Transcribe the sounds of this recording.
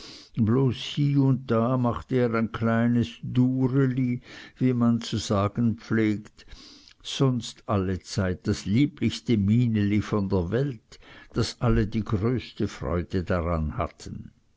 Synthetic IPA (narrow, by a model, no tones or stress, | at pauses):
bloːshiːʊnt̚d̥aːmaχtəeːʁaɪnkʰlaɪnəsd̥uːʁəliviːmant͡suz̥aːɡ̥ən̩pp͡fleːkt | z̥ɔnstʔalət͡saɪt̚d̥asliːplɪçstəmiːnəlifɔndeːɐvɛltd̥asʔalədiːɡʁøːstəfʁ̥ɔ̰ʏd̥ədaʁa̰nha̰tʰən̩